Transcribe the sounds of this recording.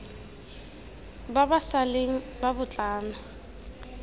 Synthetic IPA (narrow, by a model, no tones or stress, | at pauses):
babasaleŋ̩ | babʊt͡ɬʼaːna